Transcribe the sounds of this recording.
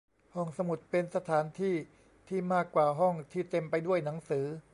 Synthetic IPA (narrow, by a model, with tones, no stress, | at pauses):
hɔ˥˩ŋsa˧mu˨˩t̪̚pe˧nsa˧t̪ʰaː˩˦nt̪ʰiː˥˩ | t̪ʰiː˥˩maː˥˩kːwaː˨˩ɦɔ˥˩ŋt̪ʰiː˥˩t̪e˧mpa˧jdu˥˩əjna˩˦ŋsɯː˩˦